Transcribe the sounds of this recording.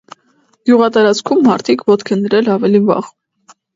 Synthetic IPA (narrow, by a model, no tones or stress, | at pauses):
ɡ̥juʁɑt̪ɑɾɑt͡skʰumːɑɾt̪ʰikʰvɔt̪kʰənd̪əɾɛlɑvɛlivɑ̰ʁ